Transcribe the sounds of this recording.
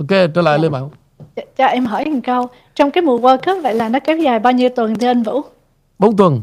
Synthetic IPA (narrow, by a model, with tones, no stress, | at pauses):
ʔo˨˧ke˧t͡ɕəː˧˦la̰ː˧˨jle˧nɓaː˧˩˦w | t͡ɕaː˨˩ʔɛ˧mɦəː˧˩jha˨˩ŋkə˧w | t͡ɕɔ˧wŋ͡mkaː˨˦jmu˨˩əkəː˧kə˦˥p̚və̰˧˨jlaː˨˩nɔ˨˦kɛ˨˦wzaː˨˩jɓaː˧wɲi˧wt̪wə˨˩nt̪ʰi˧ʔə˧nvṵ˧˥ | ɓo˨˦ŋ͡mt̪wə˨˩n